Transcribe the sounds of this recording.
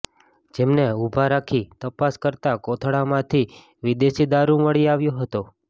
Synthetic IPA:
d͡ʒemneubʱaɾakʰit̪əpaskəɾt̪akɔt̪ʰɽamãt̪ʰi | ʋid̪eʃid̪aɾũməɭiaʋjõɦət̪o

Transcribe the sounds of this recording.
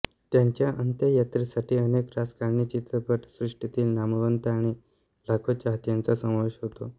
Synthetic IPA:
t̪jaɲt͡ɕjaʔənt̪jəjat̪ɾisaʈʰiːənekɾad͡zkaɾɳit͡ɕit̪ɾəpəʈsɾuʂʈit̪iːlnaməʋənt̪aɽ̃i | lakʰot͡ɕaɦt̪jant͡sasə̃wʋeɕɦot̪o

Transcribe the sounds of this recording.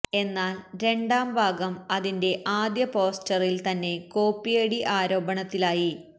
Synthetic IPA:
e̞nːaːlɾe̞ɳɖaːmbʱaːɡɐmɐðinde̞ʔaːd̪jɐpo̞ːstɐrilt̪ɐnːe̞ko̞ːpːijeɽiʔaːɾo̞ːbɐɳɐt̪ːilaːji

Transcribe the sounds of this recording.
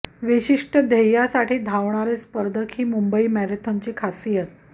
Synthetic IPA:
ʋiɕiʂʈəd̪ʱejjasaʈiːd̪ʱaʋɳaɾespəɾd̪ʱəkʰhiːmumbəimæɾet̪ʰoɲt͡ɕiːkʰasijət̪̚

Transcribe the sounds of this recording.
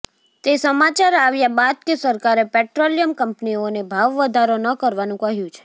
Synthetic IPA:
t̪esəmat͡ʃaɾaʋjabad̪̚kesəɾkaɾepeʈɾolijəmkəmpnionebʱaʋːəd̪ʱaɾonəkəɾʋanũkəɦjũt͡ʃʰe̥

